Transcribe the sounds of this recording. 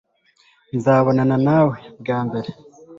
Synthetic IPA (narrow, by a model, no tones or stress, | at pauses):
nzaːβo̞nananaːwe̞bɡaːmbe̞ɾe